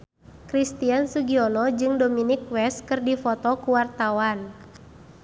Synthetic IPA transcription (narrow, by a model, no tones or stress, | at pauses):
kɾist̪iansuɡiɔlɔd͡ʒɨŋdominik̚wɛst̪̚kɨrdifɔt̪ɔkuwart̪awan